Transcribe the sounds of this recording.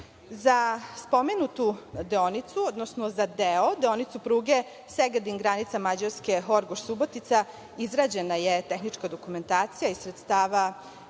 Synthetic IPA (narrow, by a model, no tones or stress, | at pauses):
zaspo̞menut̪ud̪eonit̪suod̪nosnozad̪eod̪eonit̪supɾuːɡe | seɡad̪iŋɡɾanit̪samad͡ʑaɾske̞xo̞ɾɡoʃsubo̞t̪it̪sa | izɾaːd͡ʑe̞najet̪e̞xnit͡ʃkad̪o̞kume̞nt̪aːt̪sijaisɾet̪st̪aːʋa